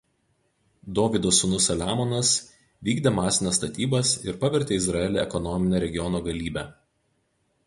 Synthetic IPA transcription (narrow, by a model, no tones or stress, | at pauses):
d̪oːʋʲɪd̪osʊnʊsɐlʲaːmɔnɐs | ʋʲiːɡd̪ʲeːmɑːsʲɪnʲɐːst̪ɐt̪ʲiːbɐsɪɾpɐʋʲɛɾʲt̪ʲeːɪzɾɐɛlʲeɛkɔnɔmʲɪnʲeːɾʲɛɡʲɪjɔnoːɡɐlʲiːbʲæː